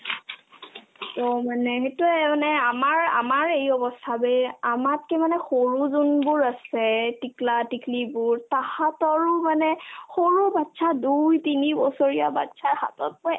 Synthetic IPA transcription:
tɔmanɛxetumanɛamaɹa̰maɹejɔbɔstʰabɛamat̚kemanɛxoɹuzunbʊɹasɛtiklatikʰlibʊɹtahatɔɹʊmanɛxoɹubatːsʰadujtinibɔsoɹijaba̰tsaɹha̰tɔt̚pɔ

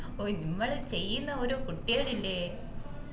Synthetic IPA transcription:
onimːɐɭt͡ɕe̞jːunːɐoɾukuʈːiɐɽilːe

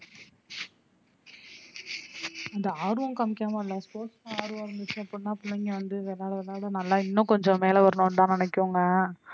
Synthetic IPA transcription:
ɐnd̪ɐaːɾʋɐ̃nkɐmɪkːaːmɐɪlːɐspoːsãaːɾʋɐ̃ɪɾɯnd̪ɯt͡ʃːʊ̃ɐpːɔɽɪnːaːɐpːʊɳːɐŋɡɐʋɐnd̪ɯʋɛlaːɽɐʋɛɭaːɽɐnɐlːãːɪnːʊ̃kɔɲd͡ʒɔ̃meːlɛʋɐɾɐɳõnt̪ãːnɪnɛkːʊŋɡɐ

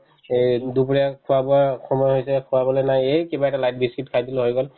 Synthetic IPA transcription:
edupɹiakʰuwabɔakʰɔmɔjɦojsɛkʰʊwabɔlɔjnajejkebaɛtalajt̚bʱiskitkʰajdilɦojɡɔl

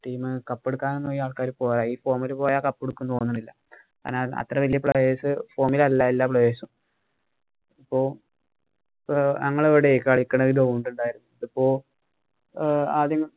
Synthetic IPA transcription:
ʈiːmɨkɐpːeɽukːaːnenːoːjiaːɭkaːɾupoːjraːiːfo̞ːmilpo̞ːjaːkɐpːeɽukːunːt̪oːnːuɳːilːɐ | ka̰ːneɐ̰t̪rɐʋɐlijɐpɭɐʋeːsɨfo̞ːmilɐlːaːilːaːpɭɐʋeːsum | ipːoː | nɐŋːɐɭeʋiɽeekːaːɭikːɐɳeɣiɾoːuɳɖuɳɖaːjiɾunːuipːo̞ː | aːd̪jɐŋːɐ

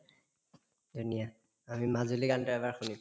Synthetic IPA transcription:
dunija | amimazulikantɛɛbaɹxunik

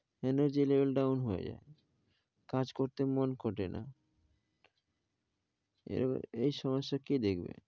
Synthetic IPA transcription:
enoɾd͡ʑilebelɖawnɦoḛd͡ʑa̰e | kad͡ʑkoɾt̪emonkʰoʈenʔa̰ | ḛejʃɔmoʃːakid̪ekʰbḛ

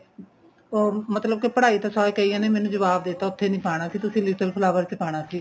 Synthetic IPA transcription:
oːmət̪ləb̚kepəɽaːiːt̪aːsaːeːkəiːãːneːmɛ̃ːnũːd͡ʒəʋaːbd̪eːt̪aːʊt̪ʰːeːnĩːpʰaːɽ̃aːsiːt̪ʊsĩːlɪt̪əlpʰəlaːʋəɾt͡ʃəpaːɽ̃aːsiː

